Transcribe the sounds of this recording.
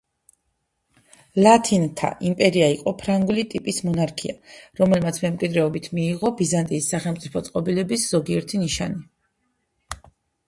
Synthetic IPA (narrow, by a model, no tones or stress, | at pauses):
lat̪ʰint̪ʰa̰ʔimpʼɛɾiaiqʼɔpʰɾaŋɡulit̪ʼipʼismɔnaɾkʰiaɾɔmɛlmat̪sʰmɛmkʼwid̪ɾɛɔbit̪ʰmiːʁɔbizant̪ʼiːsːaχɛlˠmt̪sʼipʰɔt̪sʼqʼɔbilɛbisz̥ɔɡiɛɾt̪ʰiniʃa̰ni